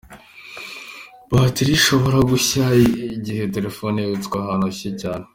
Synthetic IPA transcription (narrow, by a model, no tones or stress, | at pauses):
batiɾiʃo̞βo̞ɾaɡuçaiɟihe̞t̬e̞ɾefoneβit͡skwahaːnoɕecaːne